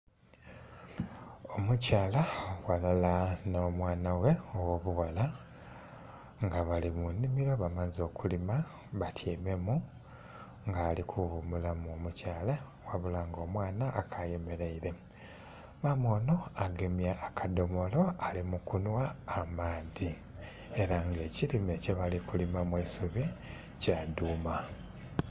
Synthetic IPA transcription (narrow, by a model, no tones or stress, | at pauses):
o̞mucaːlawalalanoːmwaːnawe̞owo̞βuwala | ŋɡaβalimunimiɾo̞βamazo̞ːkulima | βatʰjiːme̞mu | ŋɡaːlikʰuβumulamuomucaːla | waβulaŋɡo̞ːmwaːnaʔːkʰaje̞me̞ɾeiɾe̞ | mamwo̞ːno̞aɡe̞mjaːkʰado̞mo̞lo̞alimukunwaːmaːdi | e̞ɾaŋɡe̞ːcilimeceβalikulimamwisuβi | caduːma